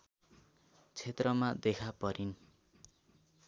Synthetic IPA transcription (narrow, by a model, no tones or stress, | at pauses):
t͡sʰet̪rʌmad̪ekʰapʌɾin